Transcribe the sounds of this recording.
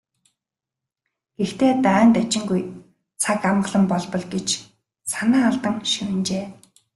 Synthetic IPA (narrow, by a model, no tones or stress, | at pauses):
ɡ̥ext̪ʰeːt̪œːnt̪æt͡ɕɪ̆ŋɡuj | t͡sʰakamɢə̆ɮə̆mpɔɮpɞ̆ɮɡet͡ɕ | sanaːaɮt̪ə̆ŋʃiwɘ̆nt͡ɕeː